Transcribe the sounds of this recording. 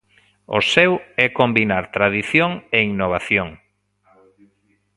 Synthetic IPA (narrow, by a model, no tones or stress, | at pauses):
osɛwɛkombinaɾt̪ɾaðiθjoŋeinoβ̞aθjoŋ